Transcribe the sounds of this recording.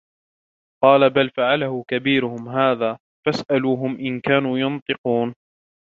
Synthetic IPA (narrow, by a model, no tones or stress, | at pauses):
qɑːlabalfaʕalahʊkabiːɾʊhʊmɦaːðaː | fasʔaluːɦʊmʔɪnkaːnuːjɑnt̪ˤɨquːn